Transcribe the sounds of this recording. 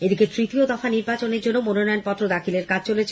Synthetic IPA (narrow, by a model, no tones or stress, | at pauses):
ed̪iket̪ɾit̪iod̪ɔfaniɾbat͡ɕoneɾd͡ʑonːomononɔjonpɔt̪ːɾod̪akʰileɾkat͡ɕʰt͡ɕolet͡ɕʰ